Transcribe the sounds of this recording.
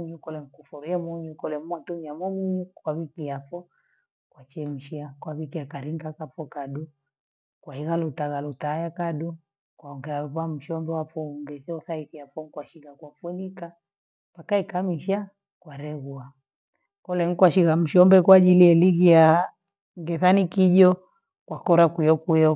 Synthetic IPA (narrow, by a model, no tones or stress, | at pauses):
ɲukɔlɛŋ̩kufuɾujɛmɔɲukɔlɛmwatumiamɔmiɲukwaβikiafɔ | kwat͡ʃɛm̩ʃiakwaβikiakaɾiŋɡakafɔkadu | kwahiɣalutaɣalutaːjakaɗu | kwaɔŋɡɛauβam̩ʃɔmbɛwafɔŋɡɛsiɔθaiθijafɔŋkwaʃiɣakwafuɛlika | pakaikamiʃa | kwaɾɛɣua | kɔlɛŋ̩kwaʃiɣam̩ʃɔmbɛkwad͡ʒiliɛliɣija | ŋɡɛθanikiʄɔ | kwakɔɾakujɔkujɔ